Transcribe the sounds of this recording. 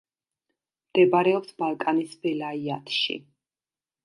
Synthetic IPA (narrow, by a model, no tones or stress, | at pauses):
md̪̥ɛbaɾɛɔpsbalˠkʼanisbɛlaiat̪ʰʃḭ